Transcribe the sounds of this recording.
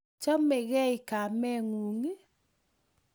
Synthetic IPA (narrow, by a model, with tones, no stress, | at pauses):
t͡ʃɔ˦me˨ɣɛ˦i˨ka˨mɛ˦ŋu˨ŋi˦